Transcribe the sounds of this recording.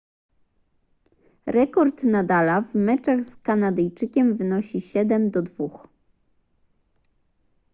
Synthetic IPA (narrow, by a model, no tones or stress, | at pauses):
ɾɛkɔɾt̪nad̪alavmɛt͡ʂaɣskanad̪ɛjt͡ʂɘkʲɛmvɘnɔɕiɕɛd̪ɛmd̪ɔd̪vux